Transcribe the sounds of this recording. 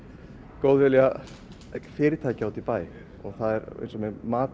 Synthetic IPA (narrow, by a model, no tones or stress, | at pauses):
kowðvɛlɛa | fɪːɾɪt̪ʰaːjcɪawt̪ʰɪlpaːjɪ | ɔɣθaðɛɾ̰jnsɔmɛmaːt̪